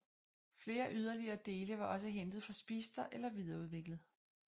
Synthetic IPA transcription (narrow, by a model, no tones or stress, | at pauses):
fle̝ːɐʔyð̞ˠɐliɐːd̥e̝ːləʋɑ̈ʔɒ̽s̬əɦend̥ð̩ˠfɒ̽sb̥iːsd̥ɐʔelɐʋið̞ˠɐuð̞ˠʋe̝ɡ̥ləð̞̩ˠ